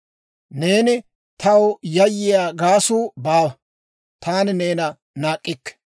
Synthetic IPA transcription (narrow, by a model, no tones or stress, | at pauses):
ne̞ːnɪ | t̪ɐwjɐjːɪjaːɡaːsuːbaːwɐ | t̪ʰaːnɪne̞ːnɐ | naːkʼːɪkːɛ̥